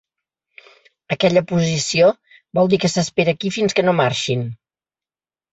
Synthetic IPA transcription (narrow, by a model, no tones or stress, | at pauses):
əkɛʎəpuzisio | bɔlˠd̪ikəsəspeɾəːkifinskənomaɾʃin